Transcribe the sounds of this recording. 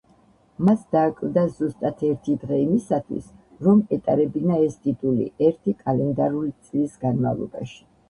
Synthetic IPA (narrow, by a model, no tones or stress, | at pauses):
masd̪aːkʼld̪azust̪ʼat̪ʰɛɾt̪ʰid̪ʁɛimisat̪ʰwḭs | ɾɔmɛt̪ʼaɾɛbinaɛst̪ʼit̪ʼulḭʔɛɾt̪ʰikʼalɛnd̪aɾulit̪sʼlisɡanmavlˠɔ̰ba̰ʃi̥